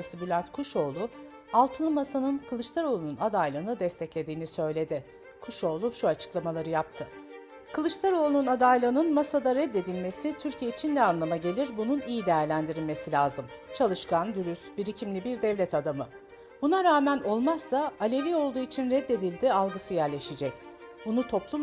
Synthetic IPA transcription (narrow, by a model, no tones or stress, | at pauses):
sɯbylʲant̪kʰuʃo̞ːlˠu | alˠt̪ʰɯnˠɯmasanɯnkʰɯlˠɯʃt̪ʰaɾo̞lˠununad̪ajlˠɯːnɯd̪ɛst̪ʰɛclʲe̞d̪iːnisø̞jlʲe̞d̪ɪ | kʰuʃo̞ːlˠuʃuat͡ʃʰɯ̥klˠamalˠaɾɯjap̚t̪ʰɯ | kʰɯlˠɯʃt̪ʰˠaɾo̞lˠununad̪ajlʲˠɯnɯnmasad̪aɾɛd̪ːe̞d̪ilʲme̞sit̪ʰyɾcʰijeit͡ʃʰinnɛanlˠamaɟe̞lʲiɾbununijid̪e̞jæɾlʲænd̪iɾilʲme̞silʲaːzɯmt͡ʃʰalˠɯʃkand̪uɾysbiɾicʰimlʲibiɾd̪ɛvlʲɛt̪ʰad̪amɯ | bunaɾaːmæno̞lˠmasːaːlʲe̞vio̞lˠd̪uːit͡ʃʰinɾɛd̪ːe̞d̪ilʲd̪ialˠɡɯsɯjæɾlʲe̞ʃid͡ʒɛcbunut̪ʰo̞plˠum